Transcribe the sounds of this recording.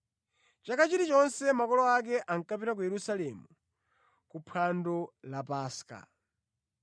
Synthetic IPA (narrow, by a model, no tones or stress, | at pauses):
t͡ʃakʰat͡ʃiɾit͡ʃɔnsɛmakɔlɔak̬ɛʔaŋ̩kapiɾak̬ujɛɾusalɛmu | kupʰandɔlapaːska̰